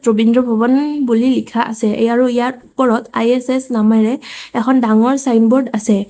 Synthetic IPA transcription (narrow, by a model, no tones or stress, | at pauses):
tɹobindɹɔbʱɔβɔnbulilikʰaʔa̰sɛʔḛjaɹuijaɹupɔɹɔta̰jɛsɛsnamajɹɛɛkʰɔndaŋɔɹsajnbɔɹdasɛ